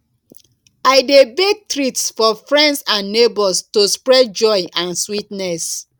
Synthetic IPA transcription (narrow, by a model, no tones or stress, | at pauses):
aɪdebeɡ̚tɹitsfɔfɹɛ̃ndsãnːebɔstospɹɛd̚d͡ʒɔɪʔãnswitnɛs